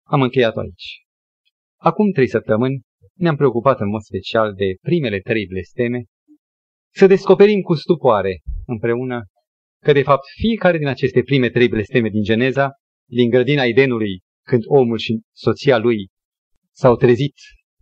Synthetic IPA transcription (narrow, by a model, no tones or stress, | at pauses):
amɨŋkʲe̞jat̪oa̰it͡ʃʲ | akumt̪ɾe̞jsəp̚t̪əmɨnʲ | neampɾe̞o̞kupat̪ɨnmo̞d̪spe̞t͡ʃiald̪e̞pɾime̞le̞t̪ɾe̞jble̞st̪e̞me | səd̪e̞sko̞pe̞ɾimkust̪upoaɾe̞ɨmpɾe̞unə | kəd̪e̞fap̚t̪fie̞kaɾe̞d̪inat͡ʃe̞st̪e̞pɾime̞t̪ɾe̞jble̞st̪e̞me̞d̪ind͡ʒe̞ne̞za | d̪iŋɡɾəd̪inaed̪e̞nuluj | kɨnd̪o̞mulʃi | so̞t̪sialuj | sawt̪ɾe̞zit̪